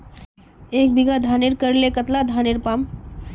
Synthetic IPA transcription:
eːk̚biɡad̪ʱaːneɾkəɾlekət̪lad̪ʱaːneɾpaːm

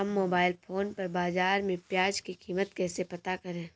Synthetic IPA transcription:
ɐmːoːbaːɪlpʰoːnpɐɾbaːzaːɾmẽpjaːd͡ʒkikiːmət̪kɛːsepɐt̪akɐɾẽː

